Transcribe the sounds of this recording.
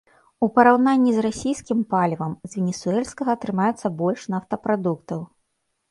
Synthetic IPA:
upɐɾawnanʲːizrasʲijskʲimpalʲvɐmzʲvʲɛnʲɛsuɛlʲskɐɣɐːt̪ɾɨmajɛt̪sːɐbɔlʲʂnaft̪ɐpɾad̪ukt̪ɐw

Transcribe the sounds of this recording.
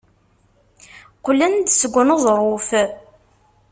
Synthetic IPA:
qʊlːænd̪səɡʷːənozˤɾˤof

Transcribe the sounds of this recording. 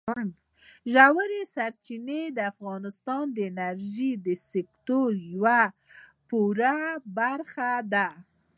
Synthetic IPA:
an | ʒawəɾesaɾt͡ʃined̪əafɣɑnɪst̪ɑnd̪əɪnaɾʒid̪əsɪkt̪oɾjawa | puɾabaɾxad̪a

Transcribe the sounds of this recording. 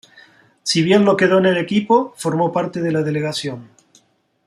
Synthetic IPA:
siβ̞je̞nlo̞ke̞ð̞oenelekipo̞fo̞ɾmo̞paɾt̪eð̞elað̞e̞leɣasjo̞n

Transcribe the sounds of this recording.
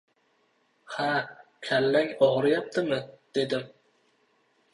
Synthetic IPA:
hakʲʰalːaŋʲɒʁɨɾjap̚t̪ʰɪmɪd̪̥e̞d̪ɪm

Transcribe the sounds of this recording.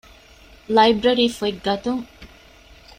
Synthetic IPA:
lɐjbɾɐɾiːfueɡɡɐt̪uŋ

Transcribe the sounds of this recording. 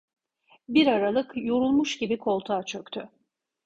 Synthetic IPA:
biɾaɾalˠɯkjo̞ɾulˠmuʃɟibikʰo̞lˠt̪ʰaːt͡ʃʰø̞kt̪ʰy

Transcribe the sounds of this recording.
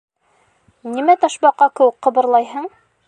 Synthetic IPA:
nimæt̪ɑʃbɑqːɑkɘ̆wɘkqːɤ̆bɤ̆ɾlˠɑjɦɤɴ

